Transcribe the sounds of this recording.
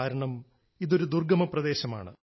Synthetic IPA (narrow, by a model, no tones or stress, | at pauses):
aːɾɐɳɐm | iðo̞ɾud̪urɡɐmɐprɐd̪e̞ːɕɐma̰ːɳɨ̰